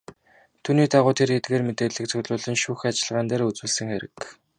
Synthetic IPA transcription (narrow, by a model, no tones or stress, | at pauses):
t̪ʰuːniːt̪aʁʊːt̪ʰeɾet̪ɡeːrmet̪eːɮɘ̆k̚t͡sʰɵɣɮʊːɮɘ̆nʃuːxat͡ɕɪ̆ɮʁaːnt̪æːɾut͡swɘ̆ːɮsɘ̆ŋxeɾɘ̆k